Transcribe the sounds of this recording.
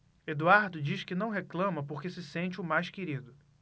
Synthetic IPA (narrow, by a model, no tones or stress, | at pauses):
ed̪uaɾd̪ʊd͡ʒiʃkɪnɐ̃w̃ɦeklɐ̃mɐpoɾkesɪsẽnt͡ʃɪʊmajʃkeɾid̪ʊ